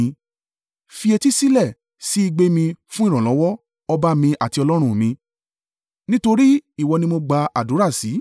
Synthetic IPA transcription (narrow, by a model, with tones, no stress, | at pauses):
fi˧e˧ti˦si˦lɛ˦˨ | si˦i˧ɡ͡be˦mĩ˧fũ˦ĩ˦˨ɔ̃˨lɔ˨˦wɔ˦ | ɔ˧ba˦mĩ˧ʔa˨ti˧ɔ˧lɔ˦ɾ̃ũ˦˨mĩ˧ | nĩ˦to˧ɾi˦i˦˨wɔ˨˧nĩ˧mo˧ɡ͡ba˧a̰˨du˨˦ɾa˦˨si˨˦